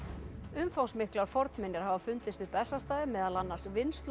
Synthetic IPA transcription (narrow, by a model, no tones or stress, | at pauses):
ʏmfawŋsmɪhklaɾ̥fɔɾt̪nmɪnːɪɾ̥ɦavafʏnt̪ɪst̪ʏhpɛsːast̪aːðɪmɛːðalanːasvɪnst̪l